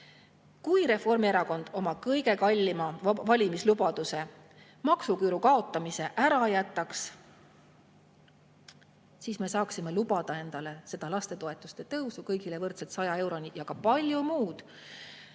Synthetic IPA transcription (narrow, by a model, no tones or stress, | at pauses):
kujɾe̞fo̞rmieɾɑko̞nd̪̥o̞mɑkɤjɡe̞kɑlʲːimɑvɑlʲimislubɑd̪̥use̞ | mɑksukyːɾukɑo̞t̪ːˑɑmise̞ʔæɾɑjæt̪ˑːɑks | siːsme̞sɑːksime̞lub̥ɑd̪̥ɑe̞nd̪̥ɑle̞se̞d̪̥ɑlɑst̪e̞t̪o̞e̞t̪ːˑust̪e̞t̪ɤwsukɤjɡ̥ile̞vɤrt̪set̪sɑjɑe̞wɾo̞nijɑkɑpɑlʲjumuːd̪̥